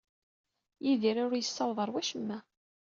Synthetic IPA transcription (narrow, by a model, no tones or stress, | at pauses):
jiðiɾʊɾjəsːɑlðˤəɾˤwæʃəmːæ